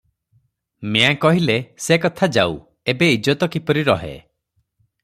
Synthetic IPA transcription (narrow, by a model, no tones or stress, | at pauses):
meãkɔɦilesekɔt̪ʰad͡ʒa̰w | ebeid͡ʒɔt̪ɔkipɔɾiɾɔ̰ɦḛ